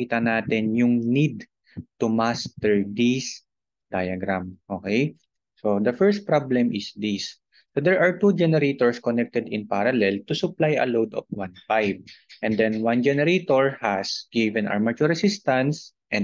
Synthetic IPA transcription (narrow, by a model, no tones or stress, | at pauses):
iːt̪ɐnaːt̪ɛnjʊŋnid̪̚ | t̪ʊmast̪ɛɹd̪is | d̪̥ajɐɡɾamʔokɛj | sod̪ɐfɛɹst̪̚pɹablɛmʔɪsd̪isː | od̪ɛɹʔaɹt̪ud͡ʒɛnɛɾet̪oɹskɔnɛk̚t̪ɛd̪ɪ̃npaɾɐlɛlt̪ʊsʊplajɐ̰lowd̪ɔ̰f̚wãnfajvʔɛ̃nd̪ɛnwand͡ʒɛnɛɾet̪oɹhɐsɡ̥ivɛ̃nʔa̰ɹmɐt͡ʃuɹɐsɪst̪ɐ̃nsʔɛ̃n